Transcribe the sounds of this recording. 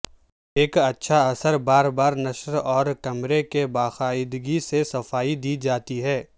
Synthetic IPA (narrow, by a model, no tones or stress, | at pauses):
eːkɐtːʃʰaɐsəɾbaːɾbaːɾnɐʃɾɔːɾkɐmɾekebaːxaːɪd̪ɡisesɐfaːid̪iːd͡ʒaːt̪iɦɛː